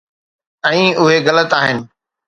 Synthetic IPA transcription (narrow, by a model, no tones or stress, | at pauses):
ɛ̃ĩːʊɦeɣɐlət̪aːɦɪnɪ̆